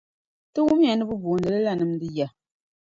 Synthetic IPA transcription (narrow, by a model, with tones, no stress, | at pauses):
tɨ˦wu˦m˦a˨nɨ˦bɨ˦bo˨nɨ˨lɨ˦la˦˨nɨ˨m˦dɨ˦ja˨